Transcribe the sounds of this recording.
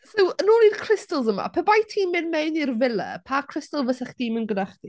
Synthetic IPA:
sowənuːniːdkʰr̥ɪstəlˠzəma̰pʰɛbajtʰiːmɪnmejnirvɪlɛ̰pʰakʰrɪstəlˠvəsaχd̥iːmɪnɡədaχd̥i

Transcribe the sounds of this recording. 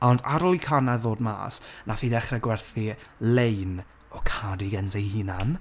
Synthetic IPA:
ɔnda̰ɾɔlˠikʰanaðoːdma̰ːsnaθiːdɛχrɛɡwɛrθilejn | ɔkʰadiɡənsejhɪnan

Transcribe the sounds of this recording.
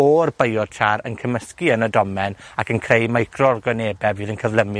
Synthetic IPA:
ɔrbejɔd̥̚tʰaɾə̰nkʰəməskiənədɔmɛnakʰənkʰrejmajkʰrɔrɡɔneːbɛviːðənkʰəvləmɨ

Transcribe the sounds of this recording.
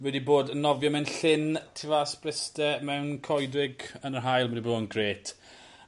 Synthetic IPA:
wɛdiboːdənːɔvjɔmɛnɬɪntʰɪvasprɪstɛmɛwnkʰɔjdrɪɡənərɦajlˠwɛdiboːdənɡreːtʰ

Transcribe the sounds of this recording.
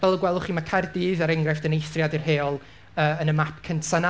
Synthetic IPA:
vɛlˠəɡwɛlˠʊχiːmakʰajrdiːðaɾɛŋɡrɛfd̥ənejθrjadirɦeːɔlˠ | əːənəmapʰkʰəntʰana

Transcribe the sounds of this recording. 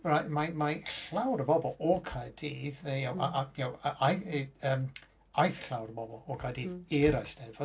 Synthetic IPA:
rajmamaɬlawɾəbɔbɔlˠɔkʰadiːðəjawʔaʔajawaʔajəːm | ajθɬlawɾəbɔbɔlˠɔkʰadiːðiɾajsd̥ɛðɔ

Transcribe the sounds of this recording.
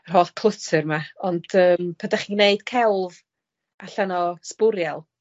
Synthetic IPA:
ər̥ɦoːθkʰlˠətʰɨrmaɔnd̥əːmpʰadaχineɨd̥kʰɛlˠv | aɬanɔspʊɾjɛlˠ

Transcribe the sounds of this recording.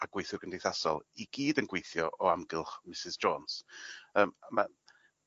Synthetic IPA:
aɡ̥wejθjʊrɡəndejθasɔ̰lˠiɡ̥iːdənɡwejθjɔʔɔamɡɪlˠχmɪsɪzd͡ʒɔːnsəːmma̰

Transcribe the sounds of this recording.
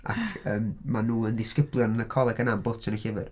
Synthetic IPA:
a̰kʰəːmmanuːəndɪskəblˠjɔnənəkʰɔlˠɛɡənambʊd̥sənəhɪvɨd̥

